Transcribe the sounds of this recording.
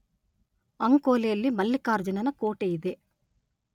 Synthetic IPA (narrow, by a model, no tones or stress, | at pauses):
ɐŋkoːlejɐlːimɐlːikaːɾd͡ʒɐnɐnɐkoːʈejid̪e